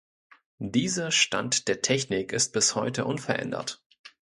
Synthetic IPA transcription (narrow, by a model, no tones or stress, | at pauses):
d̥iːzɐʃta̰ntd̥eːɐtʰɛçnɪkɪst̚b̥ɪshɔʏtəʔʊnfɛɐʔɛ̰ndɐ̰t